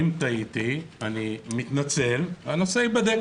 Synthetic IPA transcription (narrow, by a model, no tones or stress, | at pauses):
imt̪ait̪ianimit̪nat͡se̞lano̞seibad̪e